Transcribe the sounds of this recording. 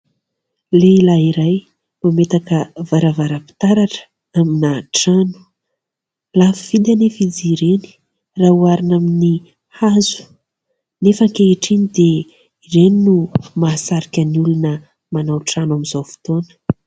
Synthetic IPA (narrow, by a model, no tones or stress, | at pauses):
lelaɦiɾaj | mamet̪akəvaɾavaɾəpi̥t̪aɾaʈ͡ʂə̥ | aminaʈ͡ʂanu̥ | lafivid̪anefid͡ziɾeni̥ | rauaɾinamini | hazu̥ | nefəŋkeiʈ͡ʂinid̪e | ireninumasaɾikʲəniulunə | manawʈ͡ʂanamizowfi̥t̪onə̥